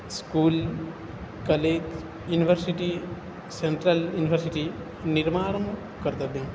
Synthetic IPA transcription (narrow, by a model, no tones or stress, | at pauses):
skuːl | kɐleːd͡ʒ | juːniʋʱəɾsiʈi | seɳʈɾɐljuːniʋʱəɾsiʈi | niɾmaːɽɐm | kɐɾd̪ɐbjɐm